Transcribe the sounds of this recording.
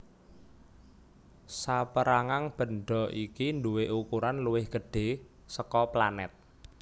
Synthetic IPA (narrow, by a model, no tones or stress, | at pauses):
sapəɾaŋaŋb̥ə̤nɖɔ̤ʔikinduweʔukuɾanluwɪhɡ̥əɖ̥e̤ | səkɔplanɛ̰t̪̚